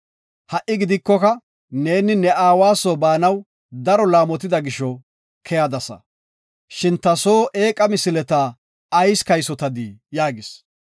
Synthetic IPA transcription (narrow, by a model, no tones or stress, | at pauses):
hɐʔɪɡɪd̪ɪkːɔkɐ | ne̞ːnɪnɛaːwaːsɔbaːnɐw | d̪ɐɾɔlaːmɔt̪ɪd̪ɐɡɪʃɔ | kʰɛjad̪ɐsɐ̰ | ʃɪnt̪ɐso̞ːʔe̞ːkʼɐmɪsɪlɛt̪aː | jskɐjsɔt̪ɐd̪ijaːɡɪs